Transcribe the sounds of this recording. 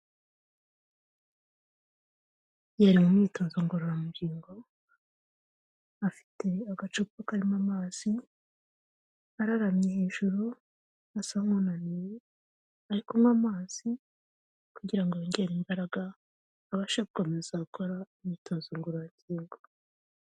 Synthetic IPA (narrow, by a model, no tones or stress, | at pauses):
jaɾimumŋiːtoːzoŋɡoɾoamuɡiːŋɡo̞ | afi̥tʰe̞aɡat͡ʃukokaɾimamaːz̥i | haɾaɾamɲeheːʒuɾu | asamunanije | aɾikomŋwamaːz̥i | kuɟiɾaŋɡoβaɲɡeɾimbaɾaɡaː | βaʃaβkomezaːkʰo̞ɾaumiːtʰoːzoŋɡoɾamɟiːŋɡo